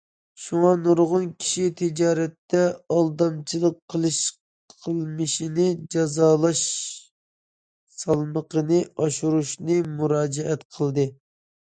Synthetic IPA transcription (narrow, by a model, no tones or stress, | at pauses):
ʃuŋɑnuɾʁʊnkʲʰi̥ʃit̪ʰɪd͡ʒɑːɾɛt̪ːɛɑlˠd̪ɑmt͡ʃʰilˠəqʰːəlˠɨʃ | qʰəlˠmɨʃinɪd͡ʒɑzɑːlˠɑʃ | sɑlˠməqənɨɑʃuɾuʃnɨmuɾɑːd͡ʒɛɛt̪qʰəlˠd̪ɨ